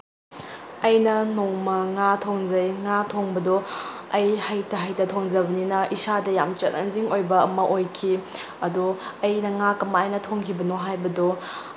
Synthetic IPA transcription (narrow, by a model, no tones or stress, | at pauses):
ɐjnɐnoŋmɐŋatʰoŋzɐjŋatʰoŋbɐdo | ɐjhɐjtɐɦɐjtɐtʰoŋzɐbɐninɐisadɐjamt͡ʃɐt̚ɐ̰ŋziŋojbɐɐmɐʔojkʰi | ɐduɐjnɐŋakɐmɐːjnɐtʰoŋkʰibɐnoɦajbɐdo